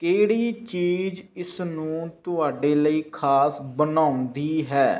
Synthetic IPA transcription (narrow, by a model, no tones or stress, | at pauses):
keːɽiːt͡ʃiːd͡ʒɪsnũːt̪ʊaːɖeːləiːkʰaːsbənãːʊnd̪iːɦɛː